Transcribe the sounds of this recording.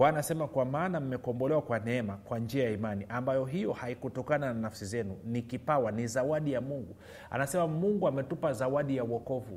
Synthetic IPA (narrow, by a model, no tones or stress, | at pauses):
anasɛmakwamaːnam̩mɛkɔmbɔlɛwakwanɛɛmakwand͡ʒiajaimaniʔambajɔɦijɔhaikutɔkanananafsizɛnunikipawanizawaɗijamuŋɡu | a̰nasɛmamuŋɡuamɛtupazawaɗijawɔkɔvu